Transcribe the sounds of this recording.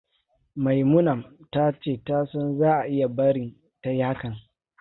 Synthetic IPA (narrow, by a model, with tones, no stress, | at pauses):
ma˨jmʊ˦nɐ˨mta˦t͡ʃeː˦˨ta˦sɔ˦nzaː˦ʔa˨ʔɪ˦ja˨bɐ˦ɽɪ˨n | ta˦jaː˦kɐ˨ŋ